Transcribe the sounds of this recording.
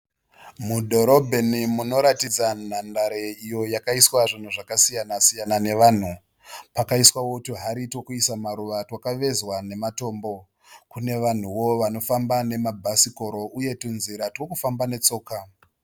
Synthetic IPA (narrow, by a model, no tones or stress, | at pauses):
mudʱo̞ɾo̞bʱe̞nimuno̞ɾatid͡zan̤andaɾeijo̞jakaiswaʐin̤uʐakasijanasijanane̞ʋaːn̤u | pakaiswawotiɦaɾitwokuisamaɾuʋatwakaʋe̞zwane̞mato̞ːmbo̞ | kune̞ʋan̤uwo̞ʋano̞fambane̞mabʱasiko̞ɾo̞ʔujetunziɾatwokufambane̞t͡so̞ːka